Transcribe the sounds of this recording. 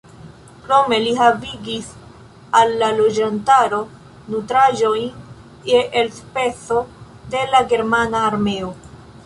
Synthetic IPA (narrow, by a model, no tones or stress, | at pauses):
kɾo̞me̞liɦaviɡis | alːalo̞d͡ʒantaɾo̞ | nutɾaʒo̞jn | eʔːlspe̞so̞ | de̞laɡe̞ɾmanaːɾme̞o